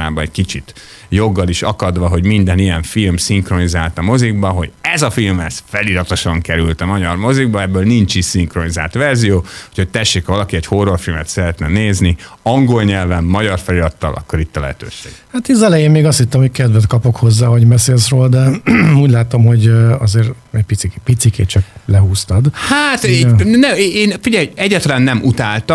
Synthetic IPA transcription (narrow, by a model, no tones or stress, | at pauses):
aːbɒnɛckit͡ʃit̪ | jo̞ɡːɒliʃɒkɒd̪ʋɒɦo̞ɟmind̪ɛnijɛɱfilmsiŋkro̞nizaːlt̪ɒmo̞ziɡ̚bɒɦo̞ɟɛzɒfilmɛsfɛliɾɒt̪o̞ʃɒŋkɛɾylt̪ɒmɒɟɒrmo̞ziɡbɒɛbːøːlnint͡ʃisiŋkro̞niza̰ːlt̪ʋɛrzijoːucʰhoc̚t̪ɛʃːeːkvɒlɒkiɛɟho̞rːorfilmɛt̪sɛɾɛt̪nɛneːzniɒŋɡo̞lɲɛlvɛmːɒɟɒrfɛliɒt̪ːɒ̰lʔɒ̰kːo̞ɾit̪ːɒlɛɦɛt̪ø̰ːʃḛːɡhat̪izɛlɛjeːmmeːɡɒst̪hit̪ːɛmho̞ckɛd̪vɛt̪kɒpo̞kho̞zːaːɦɒɟmɛseːlsroːld̪ɛuːɟʲlaːt̪o̞mɦo̞ɟɒzeːɾ | ɛɟ̚pit̪sikpit̪sikḛːt͡ʃɒklɛɦuːst̪ɒd̪haːt̪iɛnɛeːnfiɟɛjɛɟːat̪ɒlaːnːɛmut̪aːlt̪ɒ